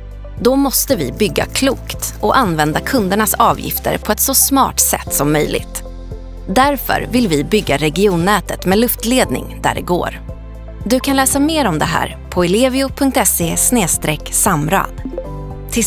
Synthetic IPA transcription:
d̪ɔmɔst̪əvɪ̰bʏɡːa̰kʰluːkt̪ʔɔʔanvɛnd̪akʰɵnd̪əɳasɑːvjɪ̰ft̪ə̰ɾpʰɔɛt̪sɔsmɑ̰ːʈsɛ̰t̪ːsɔmːœjlɪ̰ɡt̪ | d̪æɾfœ̰ɾvɪlvɪbʏɡːaɾɛɡɪuːnːɛːt̪ət̪meːlɵft̪leːd̪nɪ̰ŋd̪æ̰ɖɛ̰ɡo̰ːɾ | d̪ɵkʰanlɛːsameːɾɔmd̪ɛɦæ̰ːɾ | pʰɔɪleːvɪʊpʰɵŋk̚t̪ɛseːsneːst̪ɾɛksamɾa̰d̪ | t̪ʰɪ

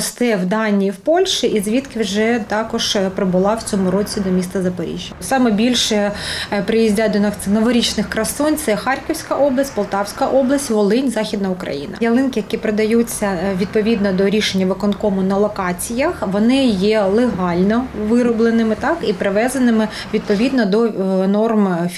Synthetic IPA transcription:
ɔst̪ɛwd̪ɑnʲiːwpɔlʲʃɪʔizʲʋʲit̪kɪwʒɛt̪ɑkɔʒ̥pɾɪbʊlˠɑwt͡sʲɔmʊɾɔt͡sʲid̪ɔmʲist̪ɐzɐpɐɾʲḭʒʲjɐsɑmɛbʲilʲʃɛpɾɪjizʲdʲad̪ɔnɐk̪nɔʋɔɾʲit͡ʃnɪxkɾɐsɔnt̪sɛxɑrkɪwsʲkɐʔɔblˠɐsʲtʲpɔlˠt̪ɑwsʲkɐʔɔblˠɐsʲtʲʋɔlˠɪnʲzɑxʲid̪nɐʊkɾɐ̰jḭnɐ̰jɐlˠɪnkɪjɐkipɾed̪ɐjut͡sʲːɐʋʲid̪̚pɔʋʲid̪nɔd̪ɔɾʲiʃenʲːɐʋɪkɔnkɔmʊnɐlˠɔkɑt͡sʲijɐxʋɔnɪjɛlˠeɦɑlʲnɔʋɪɾɔblˠenɪmɪt̪ɑkipɾɪʋɛzɐnɪmɪ | ʋʲid̪̚pɔʋʲid̪nɔd̪ɔnɔrmʲ

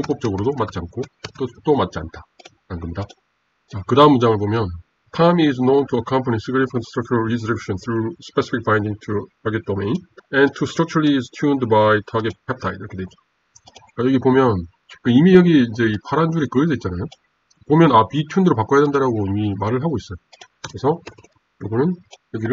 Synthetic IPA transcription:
oŋp͈ʌp̚t͡ɕ͈ʌɡɯɾodomat̚t͡ɕiankʰot͈ot͈omat̚t͡ɕia̰ntʰa | ɾanɡʌmɲida | t͡ɕakɯdaɦɯmund͡ʑaŋɯɭpomjʌn | tʰamiznõwntʰuəkʰʌ̃mpʰənisɯɡɾipʰʌ̃nstʰɾʌk̚t͡ɕʰuɾaɭɾizʌɾekɕʌ̃nθʰɾuspesi̥pʰik̚b̥ãj̃ndiŋtʰutʰaɡet̚domẽjnɛ̃ntʰustɾʌk̚t͡ɕuɾliːztʰjundbajtʰaɡet̚kʰap̚tʰaiɾʌkʰedemida | kajʌɡipomjʌn | kɯimijʌɡiind͡ʑe̞ipʰaɾand͡ʑuɾikɯisʌit̚t͡ɕ͈anajo | pomjʌnapitʰundɯɾopak͈ojadendaɾaɡoimimaɾɯɭɦaɡois͈ʌjo | kɯɾesʰʌ | jʌɡʌnɯnjʌɡiɾɯ

